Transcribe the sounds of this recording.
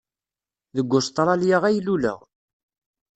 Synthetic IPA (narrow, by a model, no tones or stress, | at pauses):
ðəɡʷːʊst̪ˤɾˤɑljəʁæjlulə̰ʁ